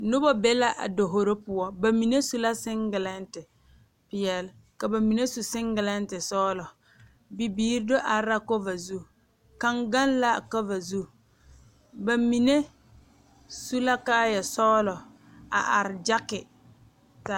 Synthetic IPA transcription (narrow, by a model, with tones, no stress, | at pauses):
nʊ˦bɔ˦bɛ˦la˦ʔa̰˨do˨ɦo˨ɾo˦pʊ˨ɔ˦ba˨mi˨ne˦su˦la˦sɪ˦ŋɡɪ˨la˦n˦tɪ˨ | pɪ˨jɛ˨l | ka˨ba˨mi˨ne˦su˨sɪ˦ŋɡɪ˨la˦n˦tɪ˨sɔː˦lɔ˨ | bi˨biː˦ɾdo˦ʔa˨˦ɾa˦ko˦va˨zu˦ | ka˦˨ŋɡa˦nla˦˨kɔ˦va˨zu˦ | ba˨mi˨ne˦ | su˦la˦kaː˦jɛ˨sɔː˦lɔ˨ | a̰˨ʔa˨ɾɪ˨d͡ʒa˦kɪ˨ | ta˦